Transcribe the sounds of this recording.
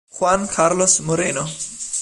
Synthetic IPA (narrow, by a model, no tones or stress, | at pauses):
xwankʰaɾlosmoɾeno